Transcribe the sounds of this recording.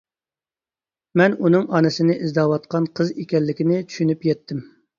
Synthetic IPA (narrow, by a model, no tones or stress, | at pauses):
mɛnunɨŋʔɑnɨsɪnɪʔizd̪ɑːwɑt̪̚qʰɑnqʰəzekʲɛnlːɪkʲɪnɪt͡ʃʰy̥ʃynypjɛt̪ʰːɪm